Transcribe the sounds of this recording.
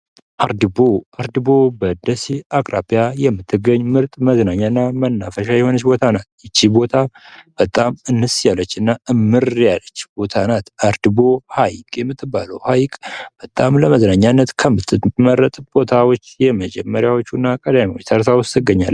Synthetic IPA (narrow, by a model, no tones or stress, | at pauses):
ʔaɾd̪ɨboaɾd̪ɨbo̞bəd̪əsiakʼɾapʼijajɛmːɨt̪ʰːɨɡːəɲːmɨɾt̪ʼməznaɲːanːamənːafəʃajɛho̞nət͡ʃːbo̞t̪ʰanat̪̚jɪt͡ʃːibo̞t̪ʰab̥ət̪ʼamɨnːɨsjalːət͡ʃːɨnːaʔɨmːɨɾjalət͡ʃːb̥o̞t̪ʰanat̪aɾd̪ɨbo̞hajkʼjɛmːɨt̪ʰːɨbːaləwhajkʼb̥ət̪ʼamləməznaɲːanːət̪kʰəmɨt̪ʰːɨməɾːət̪ʼb̥o̞t̪ʰawot͡ʃːjɛməd͡ʒɛmːəɾjawo̞t͡ʃːunːakʼəd̪amiwot͡ʃːt̪ʰəɾsawʊst̪ɨɡəɲːa̰lː